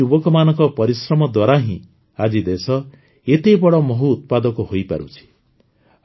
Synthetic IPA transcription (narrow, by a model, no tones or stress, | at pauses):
ubɔkɔmanɔ̃ŋkɔpɔɾisɾɔmɔd̪waɾaɦĩ | ad͡ʒid̪esɔ | et̪ebɔɽɔmɔɦuːt̪̚pad̪ɔkuhojpa̰ɾṵt͡ʃʰi̥